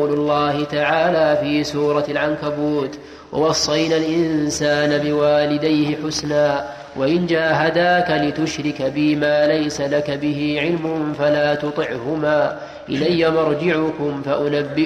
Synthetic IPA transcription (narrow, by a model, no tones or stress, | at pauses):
wlʊlˤːɑːhɪt̪aʕaːlaːfiːsuːɾˤɑlʕankabuːt̪ | wɑ̰wɑsˤːɑjnaːlʔɪnsaːnabɪwaːlɪd̪ajhɪħʊsnaː | waʔɪnd͡ʒaːɦad̪aːkalɪt̪ʊʃɾɪkabɪmaːlajsalakabɪhiːʕɪlmʊnfalaːt̪ʊt̪ˤɨʕhʊmaː | ʔɪlajːamɑɾˤd͡ʒɪʕʊkʊmfaʔʊnabːɪ